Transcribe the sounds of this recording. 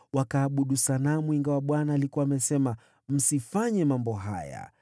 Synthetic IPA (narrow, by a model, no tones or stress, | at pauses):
wakaːɓuɗusanamwiŋɡawaɓwanaːlikuwaːmɛsɛma | m̩sifaɲɛmambɔɦa̰ja̰